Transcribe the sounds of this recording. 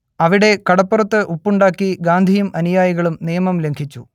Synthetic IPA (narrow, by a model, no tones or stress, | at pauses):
ɐʋiɽe̞kɐɽɐpːurɐt̪ːɨʔupːuɳɖaːkːiɡaːnd̪ʱijumɐnijaːjiɣɐɭumnijɐmɐmle̞ŋkʰit͡ɕːu